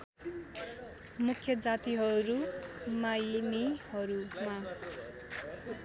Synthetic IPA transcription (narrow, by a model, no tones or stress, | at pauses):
mukʰjʌd͡zat̪iɦʌɾumajnihʌɾuma